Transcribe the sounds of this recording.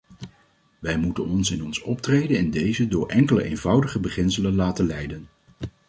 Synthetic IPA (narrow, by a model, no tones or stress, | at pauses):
ʋɛjmutə̰nɔnsɪnɔnsɔp̚trejdənɪndejzədʊːɹʔɛŋkələ̰ʔḛjnvʌwdəχəbəχɪnsələnlaːtənlɛjdən